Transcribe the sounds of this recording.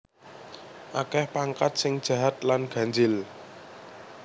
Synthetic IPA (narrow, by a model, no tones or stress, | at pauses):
ʔakɛhpaŋkat̪̚sɪŋd̥ʒ̥ä̤ɦat̪̚lanɡ̥ä̤nd͡ʒɪl